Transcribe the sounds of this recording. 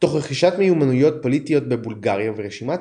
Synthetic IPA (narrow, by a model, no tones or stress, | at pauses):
t̪o̞χʁeχiʃatmejumanujo̞t̪̚po̞lit̪ijo̞t̪bebulɡaʁjaveʁeʃima